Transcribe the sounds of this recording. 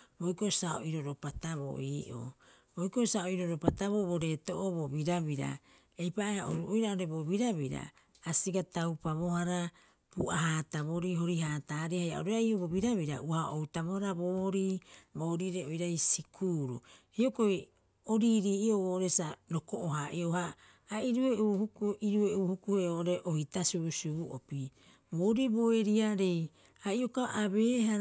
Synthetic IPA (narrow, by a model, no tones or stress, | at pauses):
bo̞jkosao̰iɾo̞ɾo̞pataβo̰ʔiːʔo̰ | bojko̞saoiɾo̞ɾopataβo̞βoɾe̞to̞ʔoβobiɾaβiɾa̰ | ejpaʔeaʔoɾuʔojɾaoɾebo̞biɾaβiɾa̰ | asiɡatawpaβo̞haɾa | puʔaɦaːtaβo̞ɾiɦo̞ɾihaːtaɾihaja̰ʔoɾeaiobo̞βiɾaβiɾauaʔowtaβo̞haɾabo̞ːhoɾiːbo̞ɾiɾeojɾajsikʰuːɾṵhiokoj | oɾiɾiːioβooɾesaɾokoʔoɦaʔiohaː | iɾueuːhukʔiɾueuːhukuheoʔoɾe̞ʔohitasuusiβuʔo̰pi | boɾiboeɾiaɾej | aiokaʔaβeːɦa